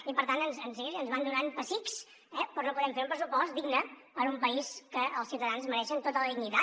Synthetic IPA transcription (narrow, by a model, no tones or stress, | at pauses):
ipəɾt̪ant̪ənzənzeiənzβand̪unanpəsiks | ɛpɾɔnop̬uðɛmfeɾumpɾəsupɔst̪̚d̪iɡnəpəɾumpəiskəʔəlˠsiwt̪əðanzməɾɛʃənt̪ot̪ələðiɡnit̪a